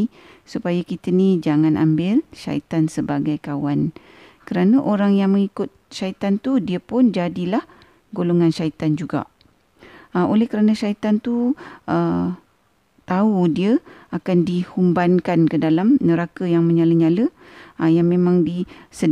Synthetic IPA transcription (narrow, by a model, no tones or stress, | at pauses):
i | supajakit̪ənid͡ʒaŋanʔa̰mbɪlʃa̰ḭt̪ansəbaɡajkawan | kəɾanəʔoɾaŋjaŋmə̃ŋikʊt̪̚ʃait̪ant̪udiəpʊnd͡ʒadilah | ɡoloŋãnʃait̪and͡ʒuɡa̰ | əʔolɛhkəɾanəʃait̪ant̪uə | t̪audiəakandihumbankankədalamnəɾakəjaŋmə̃ɲaləɲaləjaŋmẽmãŋdisə